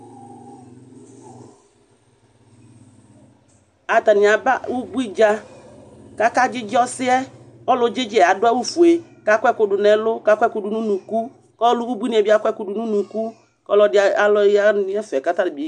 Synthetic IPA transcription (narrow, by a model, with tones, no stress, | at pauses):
a˨t̪a˨nɪ˨a˨ba˦wu˦bu˦i˦d͡ʒa˦ | ka˦ka˦d͡ʒɪ˦d͡ʒɪ˦ɔ˦sɪ˦ɛ˦ | ɔ˦lʊ˦d͡ʒɪ˦d͡ʒɪ˦ɛ˨a˨dʊ˦a˦wu˦fu˨e˨ | ka˦kʷɛ˦kʊ˦dʊ˨nɛ˨lʊ˦ka˦kʷɛ˦kʊ˦dʊ˨nũ˦nũ˨ku˦ | kɔ˦lʊ˦u˦bu˦i˦nĩ˦ɛ˨bi˦a˦kʷɛ˦kʊ˦dʊ˨nũ˦nũ˨ku˦ | kɔ˦lɔ˦dɪ˦a˨a˨lɔ˦a˦nɪ̃˦ɛ˦fɛ˨ka˦ta˦dɪ˨bi˨˦